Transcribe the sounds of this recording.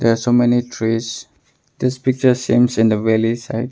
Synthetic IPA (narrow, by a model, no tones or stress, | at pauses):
dɛɹasomɛnitʰɹis | d̪̥ɪspɪk̚t͡ʃə˞sĩmsɪ̃ndəvɛlisa̰ɪd